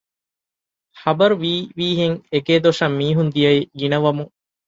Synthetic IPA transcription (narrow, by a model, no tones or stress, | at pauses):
hɐbɐɾuʋiːʋiːɦeŋeɡeːd̪oʂɐmːiːɦund̪ijɐiɡinɐʋɐmuŋ